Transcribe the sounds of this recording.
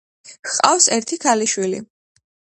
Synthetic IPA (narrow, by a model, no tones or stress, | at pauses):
qʼa̰fsɛɾt̪ʰikʰaliʃwilḭ